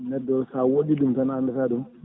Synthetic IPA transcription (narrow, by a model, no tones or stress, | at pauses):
nedosawodidumtanandatadum